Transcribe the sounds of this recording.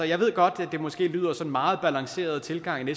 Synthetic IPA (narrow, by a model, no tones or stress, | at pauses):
ɒjɑ̈ɪʋe̝ð̰ɡ̥ɒ̽d̥æd̥e̝mɒ̽sɡ̥e̝̰ːly̰ːð̰ˠɐsɒ̽nmɑ̈ːð̞̩ˠb̥ælɑ̈ŋse̝̰ːɐð̞̩ˠt͡sʰe̝lɡ̥ɑ̈ŋ̰ine